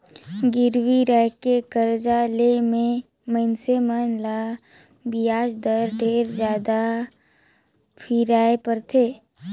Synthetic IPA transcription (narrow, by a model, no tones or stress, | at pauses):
ɡɪɾwiɾaːkekəɾd͡ʒalemẽ | məɪnsemənla | bijaːd͡ʒd̪əɾɖʱeːɾd͡ʒjaːd̪a | fʰiɾaːepəɾt̪ʰeː